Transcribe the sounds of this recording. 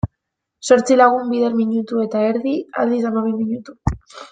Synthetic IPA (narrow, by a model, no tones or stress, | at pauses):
so̞ɾt͡silaɣ̞umbiðeɾmiɲut̪ue̞t̪aeɾðia̰ld̪is̬amaβimiɲut̪u